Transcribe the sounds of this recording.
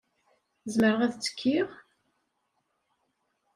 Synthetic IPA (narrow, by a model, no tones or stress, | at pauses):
zməɾəʁæðt͡sːə̥kʰːiʁ